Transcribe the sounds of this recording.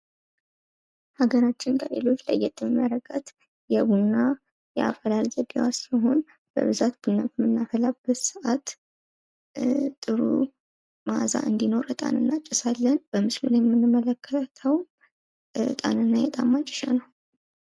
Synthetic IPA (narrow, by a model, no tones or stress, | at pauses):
haɡəɾat͡ʃːɪnkʰəlḛlo̞t͡ʃːla̰jːɛt̪ʼːɨmmjaɾəɡat̪ | jɛβunːa | jɛ̰ʔa̰fəlalzəbiwasləɦo̞n | b̥ə̰βɨzat̪b̥ɨnːafmɨnːafəlab̥əsɨʔat̪ | t̪ʼːɨɾṵ | maza̰ʔɨnd̪ino̞ɾət̪ʼa̰nɨnːat͡ʃʼːɪsalːənb̥əmɨsluljɛmːɨnːɨmːələkʰːət̪ʰəw | t̪ʼa̰nɨnːajɛt̪ʼamːat͡ʃʼɪ̥ʃa̰nəw